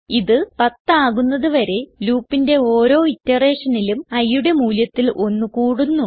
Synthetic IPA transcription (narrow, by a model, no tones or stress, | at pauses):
iðɨpɐt̪ːaːɣunːɐðuʋɐɾe̞luːpːinde̞o̞ːɾo̞ːitːɐre̞ːʂɐnilumɐjuɽe̞muːljɐt̪ːilʔo̞nːukuːɽunːu